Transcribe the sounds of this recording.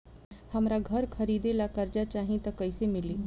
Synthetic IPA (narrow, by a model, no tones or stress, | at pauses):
həmɾaɡʱəɾkʰəɾid̪elakəɾd͡ʑat͡ɕaɦĩt̪əkəjsemili